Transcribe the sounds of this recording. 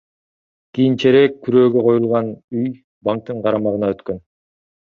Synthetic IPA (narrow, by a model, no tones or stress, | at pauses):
kijint͡ʃe̞ɾekʰːyɾø̞ːɡø̞qʰo̞julˠʁɑnyj | bɑŋk̚t̪ɯɴqʰɑɾɑmɑʁɯnɑøt̪kø̞n